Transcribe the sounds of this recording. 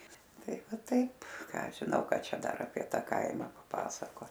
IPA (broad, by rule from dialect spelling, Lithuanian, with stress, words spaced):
ˈtɐɪ ˈʋɐ ˈtɐɪp ˈkɑː ˈɐʃ ʒʲɪˈnɐʊ ˈkɐ ˈt͡ʃʲɛ ˈdɐr ɐpʲiɛ ˈtɐ ˈkɐɪmɐ pɐˈpɑːsɐkoːt